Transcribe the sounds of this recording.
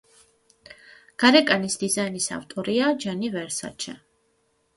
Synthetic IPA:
ɡ̥aɾɛkʼanisd̪̥izainisa̰vt̪ʼɔɾiad͡ʒanivɛɾsa̰t͡ʃʰɛ

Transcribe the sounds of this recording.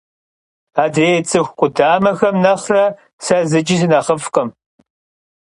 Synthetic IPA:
aːdeːt͡sʼɨxʷqʷʼʊdaːmɐxɐmnɐχrɐ | sɐzɨd͡ʒis̬ɨnɐχəfqʼɐm

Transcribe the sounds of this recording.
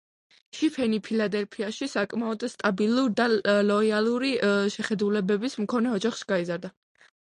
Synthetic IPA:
ʃipʰɛnipʰilad̪ɛlpʰiaʃisakʼmaɔd̪st̪ʼabilˠuɾd̪alɔialˠuɾiʃɛχɛd̪ulɛbɛbismkʰɔnɛɔd͡ʒaχʃi̥ɡaizaɾd̪a

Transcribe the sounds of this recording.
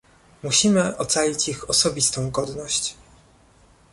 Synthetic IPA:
muɕimɘʔɔt̪salʲit͡ɕixɔsɔbʲist̪ɔ̃w̃ɡɔd̪nɔɕt͡ɕ

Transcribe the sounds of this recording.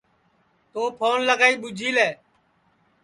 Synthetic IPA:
t̪oːpʰoːnləɡaːiːɓʊd͡ʒʱiːlɛː

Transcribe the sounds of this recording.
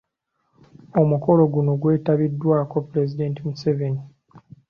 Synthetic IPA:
o̞muko̞lo̞ɡuno̞ɡwe̞ːtaβidːwaːko̞pɾezide̞ntimuseveni

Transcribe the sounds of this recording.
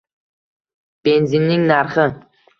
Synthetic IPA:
b̥e̞nzinːɪŋnaɾχɪ

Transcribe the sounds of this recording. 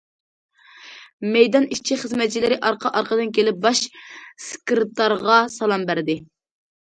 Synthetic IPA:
mɛjd̪ɑniʃt͡ʃʰiχəzmɛt̪̚t͡ʃʰilɪɾɪʔɑɾqʰɑʔɑɾqəd̪ɨnkʲʰelɪp̚bɑʃskʲɾɨt̪ɑɾʁɑsɑlˠɑmbæɾd̪ɪ

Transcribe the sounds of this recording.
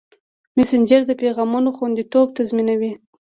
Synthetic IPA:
mɪsɪnd͡ʒəɾd̪əpeɣɑmanoxwand̪it̪ob̚t̪azminawi

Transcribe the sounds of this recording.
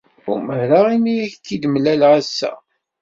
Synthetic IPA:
ṵməɾaʁimijæçt̪ːid̪mlælʁæsːæ̰

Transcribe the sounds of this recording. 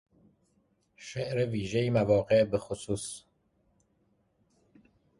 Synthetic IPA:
ʃeʔɾeviːʒejimævɒːɣeʔbexosuːs

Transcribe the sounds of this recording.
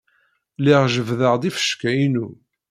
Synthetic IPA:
liʁʒəvðəʁd̪ifə̥ʃkæinu

